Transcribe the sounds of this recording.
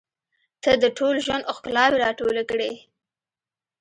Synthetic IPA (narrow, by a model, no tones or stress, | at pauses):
t̪əd̪əʈʰolʒwand̪oxklɑweɾɑʈolakɽe